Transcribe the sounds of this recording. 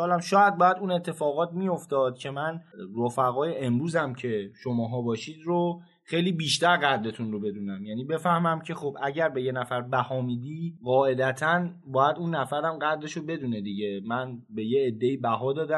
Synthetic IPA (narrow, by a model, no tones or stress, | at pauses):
ɒːlæmʃɒːjæd̪̚bɒːjæd̪uːnet̪ʰːefɒːɣɒːt̪mijo̞ft̪ɒːd̪̥̚cʰe̞mænɾofæɣɒːjeʔemɾuːzæmcʰe̞ʃomɒːɦɒːbɒːʃiːd̪ɾo | xejliːbiːʃt̪æɾɣæd̪le̞t̪ʰunro̞be̞d̪uːnæmjæːniːbe̞fæhmæmcʰe̞xobʔæɟæɾbe̞je̞næfæɾbæhɒːmiːd̪iɢɒːe̞d̪æt̪ʰæn | bɒːjæd̪uːnːæfæɾæmɢæd̪le̞ʃobe̞d̪uːne̞d̪iɟe̞mænbe̞jeːd̪ːe̞iːbæɦɒːd̪ɒːd̪æ